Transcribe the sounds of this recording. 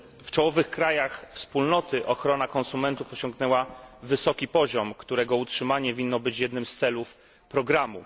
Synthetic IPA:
ft͡ʂɔwɔvɘxkɾajaxfspulnɔt̪ɘʔɔxɾɔnakɔnsumɛnt̪ufɔɕɔŋɡnɛwavɘsɔkʲipɔʑɔmkt̪uɾɛɡɔutʂɘmaɲɛvʲinːɔbɘt͡ɕjɛd̪nɘmst̪sɛluf | pɾɔɡɾamṵ

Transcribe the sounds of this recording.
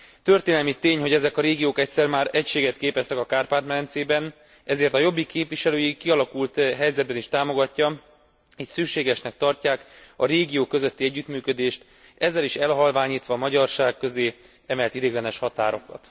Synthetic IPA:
t̪ø̞rt̪eːnɛlmit̪eːɲho̞ɟɛzɛkɒɾeːɡijoːkɛcʲsɛrmaːɾɛcʃeːɡɛt̪keːpɛst̪ɛkɒkaːrpaːt̪mɛlɛnt̪seːbɛn | ɛzeːrt̪ɒjo̞bːikeːpʋiʃɛløːjikːiɒlɒkult̪ɦɛjzɛd̪̚bɛniʃt̪aːmo̞ɡɒcːɒ | eːcsykʃeːɡɛʃnɛk̚t̪ɒrcaːkɒɾeːɡijoːkːøzø̞t̪ːiɛɟːyt̪myːkød̪eːʃt̪ | ɛzːɛliʃɛlɦɒlvaːɲiːt̪ʋɒmɒɟɒrʃaːkːø̞zeː | ɛmɛlt̪id̪eːɡlɛnɛʃhɒt̪aːɾo̞kɒ̰t̪

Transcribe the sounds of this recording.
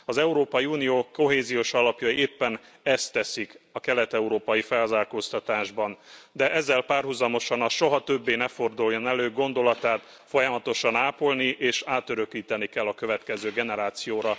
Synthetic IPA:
ɒzɛuɾoːpɒjiuːnijoːko̞ɦeːzijoːʃɒlɒpjɒieːpːɛn | ɛst̪ːɛsikɒkɛlɛt̪ɛuɾoːpɒjifɛlɒzaːlko̞st̪ɒt̪aːʒbɒnd̪ɛʔɛzːɛlpaːrɦuzɒmo̞ʃɒnɒʃo̞ɦɒt̪ø̞bːeːnɛfo̞rd̪ujːonɛløːɡo̞nd̪o̞lɒt̪aːt̪ | fo̞jɒmɒt̪o̞ʃɒnaːpo̞lniʔeːʃaːt̪øɾøkiːt̪ɛnikɛlːɒkø̞vɛt̪kɛzøːɡɛnɛɾaːt̪sijoːɾɒ

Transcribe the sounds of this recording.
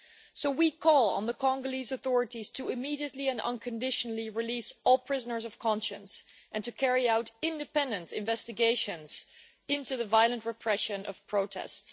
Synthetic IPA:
soʊwikʰɔlˠə̰̃nðəkʰɑ̃ŋɡəlizəθɔɹɨɾiz̥tʰəɨmiɾiɨtˡliɨ̃nʌ̰̃nkʰɨ̃ndɪʃənl̩ˠiɹɨlisɔlˠpʰɹ̥ɪzənə˞zʌv̥kʰɑ̃nʃɨ̃ns | ʔɨ̃ntɨkʰɛɹiaʊɾɪ̃ndɨpɛ̃ndɨ̃ntɪ̰̃ɱvɛstɨɡeɪʃɨ̃nz̥ | ɪ̃ntuðɨvaɪlˠə̃ntɹɨpʰɹ̥ɛʃɨ̃nʔʌ̰v̥pʰɹ̥oʊtʰɛ̰sts

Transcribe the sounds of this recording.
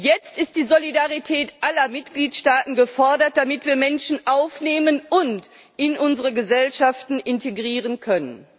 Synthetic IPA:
jɛt͡stɪst̚d̥iːzolidaʁitʰɛːtʔalɐmɪtɡ̥liːtʃtaːtn̩ɡəfɔɐdɐt̚d̥amɪtv̥iːɐmɛnʃn̩ʔaʊfneːmənʊnt | ʔɪnʔʊnzəʁəɡəzɛlʃaftn̩ʔɪnteɡʁiːʁ̞ənkʰœnən

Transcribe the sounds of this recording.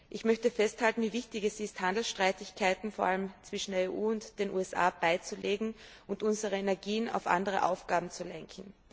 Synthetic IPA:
ʔɪçmœçtəfɛsthaltn̩viːvɪçtɪçɛsɪsthandl̩sʃtʁ̥aɪtɪçkʰaɪtn̩foːɐʔaləmt͡sv̥ɪʃn̩deɐeːʔuːʊntd̥eːnʔṵːɛsʔa̰ːb̥aɪt͡suleːɡŋ̩ʔʊntʊnzəʁəenɛɐɡiːəna̰ʊfʔa̰ndəʁə̰ʔa̰ʊfɡ̥aːbm̩t͡sulɛŋkʰŋ̩

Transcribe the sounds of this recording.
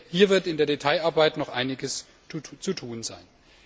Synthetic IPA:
hiːɐvɪɐtɪndeːɐdetʰaɪaɐbaɪtnɔχʔaɪnɪɡəs | t͡sutʰuːnza̰ɪn

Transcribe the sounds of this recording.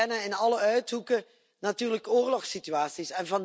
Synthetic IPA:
ɛnəɪnɑləœɥtɦukə | natyːrləkoːrlɔxsityaːsisɛnvɑn

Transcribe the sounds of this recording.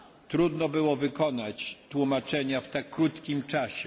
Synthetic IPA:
t̪ɾud̪nɔbɘwɔvɘkɔnat͡ɕt̪wumat͡ʂɛɲaft̪akːɾut̪kʲimt͡ʂaɕɛ

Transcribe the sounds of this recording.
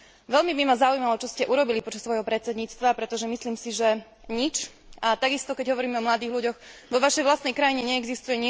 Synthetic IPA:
ʋɛʎmibimazaujmalɔt͡ʃɔscɛʔuɾɔbilipɔt͡ʃasːʋɔjɦɔpɾɛt̪t͡sɛd̪ɲiːt͡st̪ʋapɾɛt̪ɔʒɛmisliːmsiʒɛ | ɲit͡ʃ | at̪aɡist̪ɔkɛɟɦɔʋɔɾiːmɛɔmlad̪iːɣʎuɟɔxʋɔʋaʃɛjʋlast̪nɛjkɾajiɲɛɲɛɛɡzist̪ujɛɲ

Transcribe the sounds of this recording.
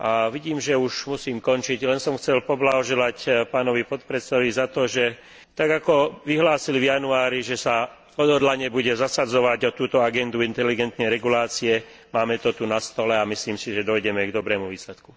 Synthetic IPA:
ʔaʋiɟiːmʒɛuʒmusiːmkɔnt͡ʃiɟlɛnsɔmxt͡sɛlpɔblaɦɔʒɛlacpaːnɔʋipɔt̪pɾɛt̪sɛɔʋizat̪ɔʒɛ | t̪aɡakɔʋiɦlaːsilivjanuaːɾiʒɛsa | ɔd̪ɦɔd̪laɲɛbuɟɛzasad͡zɔʋaɟɔt̪uːt̪ɔaɡɛnd̪uint̪ɛliɡɛnt̪nɛjɾɛɡulaːt͡siɛ | maːmɛt̪ɔt̪unast̪ɔlɛamisliːmsiʒɛd̪ɔjɟɛmɛɡd̪ɔbɾɛːmuʋiːslɛt̪ku̥

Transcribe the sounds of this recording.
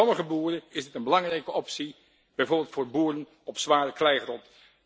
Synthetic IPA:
ɔməχəbuːɾəɪzdɪtənbəlɑŋrɛjkəɔpsi | b̥ɛjvʊːɹbɪlˠtfʊːɹbuːɾən | ɔpsʋaːɾəklɛjχrɔnt

